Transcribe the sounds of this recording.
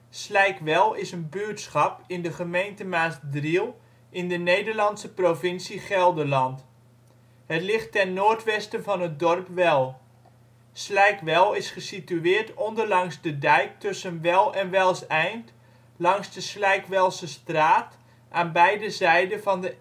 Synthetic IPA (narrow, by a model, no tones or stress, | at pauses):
slɛjkʋɛlˠɪsənbytsχɑpɪndəχəmejntəmaːtdrilˠ | ʔɪndənejdəɹlɑntsəprovɪnsiχɛlˠdəɹlɑnt | hətlɪχtːɛnːoːtʋɛstənvɑnɦət̚dɔrpʋɛlˠ | slɛjkʋɛlˠɪsχəsityɪːɹtɔndəɹlɑŋzdədɛjk̚tɵsənʋɛlˠɛnʋɛlˠsɛjnt | lɑŋzdəslɛjkʋɛlˠsəstraːt | ʔaːnbɛjdəzɛjdənvɑndə